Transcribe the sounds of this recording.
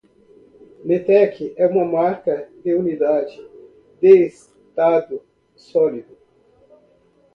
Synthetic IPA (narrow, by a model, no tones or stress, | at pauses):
met̪ɛkʰɪʔɛũmɐmaɾkɐd̪eunid̪ad͡ʒɪ | d̪eːs | t̪ad̪ʊ | sɔlid̪ʊ